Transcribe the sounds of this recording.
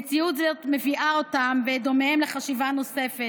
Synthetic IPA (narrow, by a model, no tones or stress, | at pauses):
t͡siut̪zetme̞viʔao̞tamved̪o̞memleχaʃivano̞se̞fe